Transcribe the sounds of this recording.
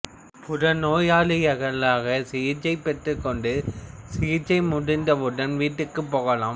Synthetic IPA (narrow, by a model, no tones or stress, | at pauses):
pʊɾɐnoːjaːlɪjɐɣɐlaːɣɐsɪjɪt͡ʃːɐɪpːɛʈrɯkːɔɳɖɯsɪjɪt͡ʃːɐɪmʊɽɪnd̪ɐʊɽɐnʋiːʈːɯkːɯpːoːɣɐlaːm